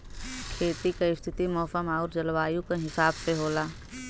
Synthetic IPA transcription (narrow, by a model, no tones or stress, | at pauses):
kʰeːt̪ikaɪst̪ʰɪt̪imɔːfəmaːʊɾd͡ʒɐlwaːjũkaɦɪsaːbseɦoːlaː